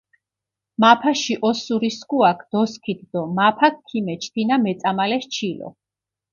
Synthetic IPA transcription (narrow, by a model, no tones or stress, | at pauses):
mapʰaʃiʔɔsuɾiskuakʰd̪̥ɔskʰit̪̚ʰd̪ɔmapʰak̚kʰːimɛt͡ʃʰt̪ʰinamɛt̪sʼamalɛʃt͡ʃʰilɔ̰